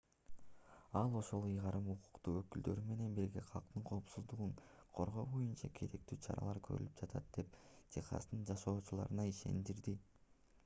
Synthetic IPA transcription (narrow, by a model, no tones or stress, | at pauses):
ɑlˠo̞ʃo̞lˠɯjʁɑɾɯmuqu̥qt̪uːøkyld̪ø̞ɾyme̞ne̞nbiɾɡʲe̞qʰɑlˠqt̪ɯɴqʰo̞ːpsuzd̪uʁuɴqʰo̞ɾʁo̞ːbo̞junt͡ʃɑkʰe̞ɾe̞k̚t̪yːt͡ʃʰɑ̰ɾɑ̰lˠɑɾkʰøɾy̰lyp̚d͡ʒɑt̪ɑt̪̚d̪̥e̞ptʰeχɑ̰snɯnd͡ʒɑʃo̞ːt͡ʃulˠɑ̰ɾɯnɑiʃe̞̰nd̪iɾd̪i